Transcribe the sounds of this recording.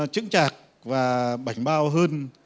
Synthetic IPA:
t͡ɕɨ̰˧˥ŋt͡ɕaː˨˩k̚ | vaː˨˩ɓa˧˩jŋ̟ɓaː˧wɦəː˧n

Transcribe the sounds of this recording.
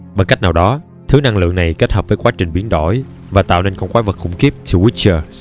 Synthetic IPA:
ɓa˨˩ka˦˥jk̚naː˨˩wɗɔ˨˦ | t̪ʰɨ˨˦na˧ŋlɨ̰˧˨əŋna˨˩jke˦˥t̚həː˨˩p̚vəː˨˦jkwaː˨˦t͡ɕï˨˩ŋ̟ɓi˨˦ənɗo˧˩j | vaː˨˩t̪a̰ː˧˨wne˧nkɔ˧wŋkwaː˨˦və˨˩k̚xʊ̰˧˩ŋ͡mki˦˥əp̚t͡ɕʰi˧wi˦˥t͡ɕəː˧

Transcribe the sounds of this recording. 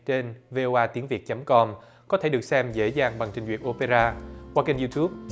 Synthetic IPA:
t͡ɕe˧nve˧ʔo˧ʔaː˧t̪i˨˦əŋvi˨˩ət̚t͡ɕə˨˦mkɔ˧m | kɔ˨˦t̪ʰe˧˩ɗək̚sɛ˧mzḛ˧˥zaː˨˩ŋɓa˨˩ŋt͡ɕï˨˩zwḭ˨˩ət̚ʔo˧pe˧zaː˧kwaː˧ka˧nzu˧t̪ʰu˦˥p̚

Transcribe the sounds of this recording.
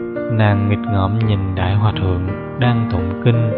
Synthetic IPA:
naː˨˩ŋːi˨˩k̚ŋɔ˨˩˦mɲi˨˩nɗa̰ː˧˥jɦwaː˨˩t̪̚ʰɨ̰˧˨əŋ | ɗaː˧ŋt̪o˧˨ŋ͡mki˧ŋ̟

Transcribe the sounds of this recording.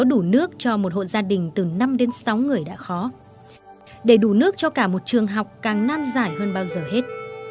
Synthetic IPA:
ɔ˨˦ɗu˧˩nɨ˦˥ək̚t͡ɕɔ˧mo˨˩t̚ho̰˧˨jzaː˧ɗï˨˩ŋ̟t̪ɨ˨˩na˧mɗe˨˦nsa˨˦wŋɨ˨˩əjɗa̰ː˧˥xɔ˨˦ | ɗe˧˩ɗu˧˩nɨ˦˥ək̚t͡ɕɔ˧kaː˧˩mo˨˩t̚t͡ɕɨ˨˩əŋɦa˨˩wk͡p̚kaː˨˩ŋnaː˧nzaː˧˩jɦəː˧nɓaː˧wzəː˨˩he˦˥t̚

